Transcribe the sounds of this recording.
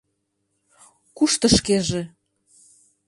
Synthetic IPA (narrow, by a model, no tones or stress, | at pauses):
kuʃt̪ə̆ʃkeʒe